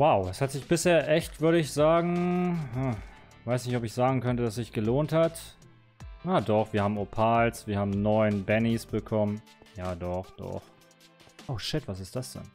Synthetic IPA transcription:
waʊɛshatz̥ɪçb̥ɪsheːɐʔɛçtv̥ʏɐɾəɪçz̥aːɡŋ̩haː | v̥aɪsnɪçtɔpɪçz̥aːɡŋ̩kʰœntəd̥as̬z̥ɪçɡ̥əloːnthat | nadɔχv̥iːɐhaːbm̩opʰaːlsv̥iːɐhaːbm̩nɔʏənbɛnisb̥əkʰɔmən | jaːdɔχd̥ɔ̰χ | ʔoʊʃɪtv̥as̬ɪst̚d̥asd̥ɛ̰n

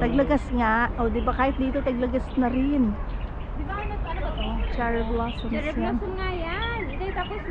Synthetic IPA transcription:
t̪ɐɡlɐɡɐsŋaʔoːd̪ɪbakaːhɪt̪̚d̪iːt̪o̞t̪ɐɡ̚lɐɡɐsnɐɾɪn | ʔʔot͡ʃaɾɛblasonjansnŋajanɐt̪aːpos

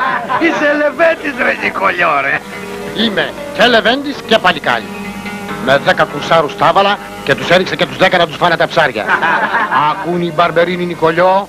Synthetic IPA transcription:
iselevend̪izɾeɲikoʎoɾe | ime | celevend̪iscepɐʎikɐ̰ʎḭ | meðekɐkusaɾust̪ɐvɐlɐ | cet̪useðiksecet̪uzðekɐnɐt̪uzvɐnet̪ɐpsɐɾʝɐ̰ | ɐkunibɐɾbeɾininikoʎo

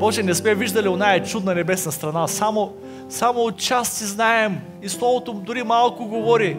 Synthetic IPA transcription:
bɔʒɛnɛsmɛviʒd̪ɐlionaɛt͡ʃud̪nɐnɛbɛsnɐst̪ɾɐnasamo | samoːt̪t͡ʃassiznaɛm | islˠɔvot̪od̪ʊɾimalˠkʊɡovɔɾi

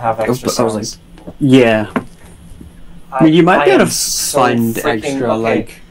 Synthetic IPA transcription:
jæ | mĩnjɨmaɪt̚ɡ̥ɛɾɨv̥sʌ̃ɪ̃ndɛksstɹ̥əlaɪk

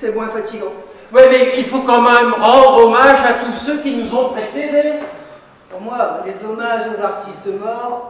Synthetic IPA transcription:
sɛmwɛ̃fat̪iɡɑ̃wimɛilfokɑ̃mɛmʁɑ̃d̪ʁɔmaʒat̪usøkʲinuzɔ̃pχesed̪e | puʁmwalezɔmaʒozaʁt̪ist̪̚əmɔʁ

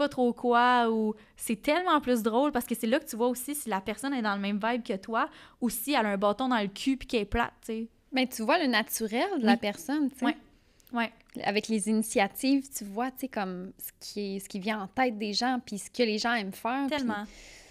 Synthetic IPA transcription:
pɔt̪χokʰwau | sɛt̪ɛlmɑ̃plʏs̬d̪ʁoʊlpaʁsə̥kəsɛlʌkət̪yvwausisilapɛʁsɔnɛd̪ɑ̃ləmɛ̃mvaɪb̚kʲət̪wausialə̃bɑːt̪ɔ̃d̪ɑ̃ləkʲʰypi̥kʲɛpla̰t̪̚t͡se | bɛ̃t̪yvwalənat̪yʁɛld̪əlapɛʁsɔnt͡sewɛ | wɛ | a̰vɛklezinisjat̪ivt̪yvwat͡sekɔmsə̥kʲʰiɛsə̥kʲivjɛ̃ɑ̃t̪ɛɪt̪̚d̪eʒɑ̃pisə̥kəleʒɑ̃ɛmfɛːʁt̪ɛlmɑ̃

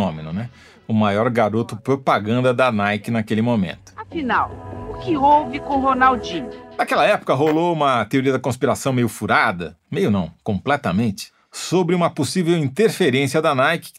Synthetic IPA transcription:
õmenʊnɛ | ʊmajɔɾɡaɾot̪ʊpɾopaɡɐ̃nd̪ɐd̪anajkɪnakelɪmomḛ̃nt̪ʊ̥afinawʊkɪowvɪkõɦonawd͡ʒĩnakɛlɐɛpʊ̥kɐɦoloũmɐt̪eoɾiɐd̪ɐkõspiɾasɐ̃w̃mejʊfuɾad̪ɐ̰ | mejʊnɐ̃w̃kõmplɛt̪ɐmẽt͡ʃɪ̥ | sobɾɪũmɐposivewĩnt̪eɾfeɾẽsiɐd̪anajkɪ̥

